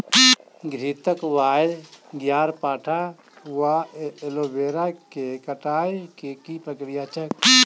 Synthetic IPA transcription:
ɡʱɾit̪əkʋaːjd̪ɡjaːɾpaːʈʰa | ʋaelobeɾakekəʈaːjkekipɾəkɾijat͡ʃʰək̚

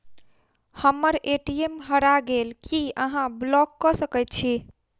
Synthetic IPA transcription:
həmːəɾeʈiemɦəɾaɡelkiəɦãblɔkːəsəkɛjt̪̚t͡ʃʰi

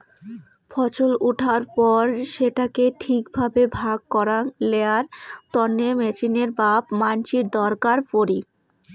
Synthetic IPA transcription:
fʰɔt͡ɕoluʈʰaɾpɔɾʃeʈakeʈʰikbʱabebʱaɡ̚kɔɾanleaɾt̪ɔnːemɛt͡ɕineɾbabmant͡ɕiɾd̪ɔɾkaɾpoɾi

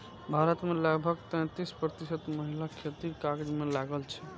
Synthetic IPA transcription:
bʱaɾət̪meləɡbʱəɡt̪ə̃j̃t̪ispɾət̪isət̪məɦilakʰet̪iɾkaɡd͡ʒmelaɡəlt͡ʃʰɛ̥

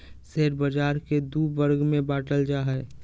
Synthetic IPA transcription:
seːɾbəd͡ʒaːɾked̪uːbəɾɡmẽbaːʈəld͡ʒaɦɛ

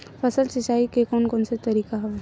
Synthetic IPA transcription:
pʰɐsəlsɪt͡ʃaːikekɔːnkɔːnset̪ɐɾiːkaɦ

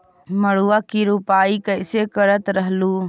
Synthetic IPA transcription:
məɽuakiɾupaːikəɪsekəɾət̪ɾəɦluː

